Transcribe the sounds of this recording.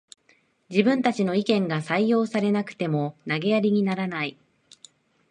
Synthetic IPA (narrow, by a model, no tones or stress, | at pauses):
d͡ʑibɯ̟̃nt̪at͡ɕino̞ikẽ̞ŋɡasaijo̞ːsaɾe̞nakɯ̥t̪e̞mo̞naɡe̞jaɾʲiɲ̟inaɾanai